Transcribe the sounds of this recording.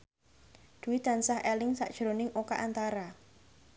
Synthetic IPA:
d̪̥ṳwid̪̥a̤nsahɛlɪŋsa̰ʔd̥ʒ̥ɾonɪŋʔokaʔant̪aɾa

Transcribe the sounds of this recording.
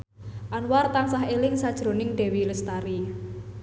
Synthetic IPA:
ʔanwart̪aŋsaɦelɪŋsad̥ʒ̥ɾo̤nɪŋɖ̪̥ɛ̤wiləst̪aɾi

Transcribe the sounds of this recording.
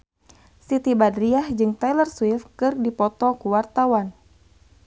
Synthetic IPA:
sit̪ibadɾiahd͡ʒɨŋt̪ajlərswifkɨrdipɔt̪ɔkuwart̪awan

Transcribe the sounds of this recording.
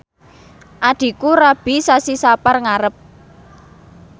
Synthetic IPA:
ʔaɖ̪̥i̤kuɾab̥i̤sasisaparŋaɾəp̚

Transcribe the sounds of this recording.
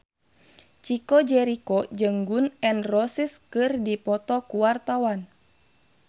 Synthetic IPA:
t͡ʃikɔd͡ʒɛɾikɔd͡ʒəŋɡunɛnrɔsiskɨrdipɔt̪ɔkuwart̪awan

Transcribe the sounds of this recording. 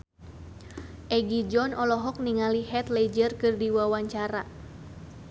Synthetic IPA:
ʔɛɡid͡ʒɔnʔɔlɔɦɔk̚niŋalihɛt̪led͡ʒərkɨrdiwawaɲt͡ʃaɾa

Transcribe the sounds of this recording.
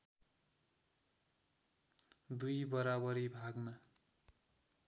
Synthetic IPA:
d̪ujbʌɾabʌɾibʱaɡma

